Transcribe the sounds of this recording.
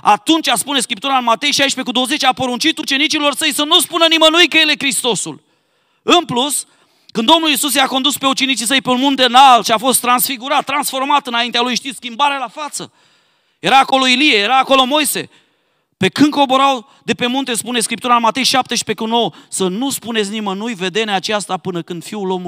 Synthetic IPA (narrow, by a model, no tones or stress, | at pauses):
at̪unt͡ʃʲaspune̞skɾip̚t̪uɾaɨnmat̪e̞jʃajʃpe̞kud̪o̞wəze̞t͡ʃʲapo̞ɾunt͡ʃit̪ut͡ʃe̞nit͡ʃilo̞rsəjsənuspunənimənujkəjele̞kɾist̪o̞sṵl | ɨnplus | kɨnd̪o̞mnulisus̬jeako̞nd̪uspe̞ut͡ʃe̞nit͡ʃisəjpe̞unmunt̪enalʃiafo̞st̪ːɾansfiɡuɾat̪ːɾansfo̞rmat̪ɨnaint̪ealujʃt̪iskʲimbaɾealafat̪sə̰ | je̞ɾaːko̞lo̞ilijejeɾaːko̞lo̞mo̞jse̞̰ | pe̞kɨnko̞boɾaw | d̪e̞pe̞munt̪e̞spune̞skɾip̚t̪uɾanmat̪e̞jʃap̚t̪e̞ʃi̥pe̞kuno̞wəsənuspunesʲnimənujve̞d̪e̞neat͡ʃast̪apɨnəkɨnd̪fiulo̞mu